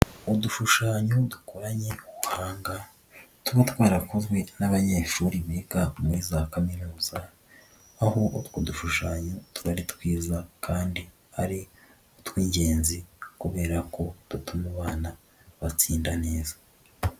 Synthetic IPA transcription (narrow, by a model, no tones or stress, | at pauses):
oduʃuʃaːɲodukoɾaɲe̞uβuhaːŋɡa | tuβat̪waːɾɾakozɡwe̞naβaɲeːʃuːɾiβeɡamuɾizaːkaminuːz̥a | ahoʔotoduʃuʃaːɲotuɾaɾit̪wiːzakʰaːndi | aɾi | ot̪wiːɲɟe̞ːnzikuβe̞ːɾako̞d̥̪utumaβaːna | βat͡siːndane̞ːzḁ